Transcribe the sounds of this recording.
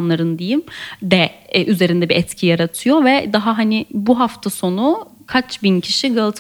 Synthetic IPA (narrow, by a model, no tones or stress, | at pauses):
nlˠaɾɯnd̪ejimd̪ɛʔyze̞ɾind̪ɛbiɛt̪cʰijaɾat̪ʰɯjo̞vɛd̪aɦaɦanɪbuɦaft̪ʰaso̞nu | kʰat͡ʃbincʰiʃiɡalˠt̪ʰ